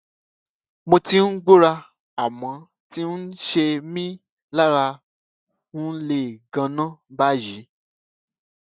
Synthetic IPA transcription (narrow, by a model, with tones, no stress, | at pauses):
mo˧ti˧n̩˦ɡ͡bo˦ɾa˧ | a˨mã˨˦ | ti˦n̩˦ʃe˧mĩ˦ | la˦ɾa˧ | nũ˦n̩˦le˦˨ɡã˧nã˦˨ba˦ʒi˨˦